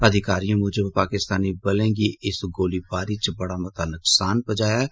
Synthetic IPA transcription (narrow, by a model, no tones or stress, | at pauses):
əd̪ʱɪkaːɾijõmʊd͡ʒəbpaːkɪst̪aːnibəlẽɡiʔɪsɡoːlibaːɾit͡ʃbɐɽamɐt̪anʊksaːnpəd͡ʒaːja